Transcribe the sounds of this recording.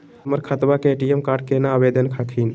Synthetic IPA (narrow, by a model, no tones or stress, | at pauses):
məɾkʰət̪ʋakeeʈiemkaːɾɖ̚kenaːʋed̪ənkʰakʰiːn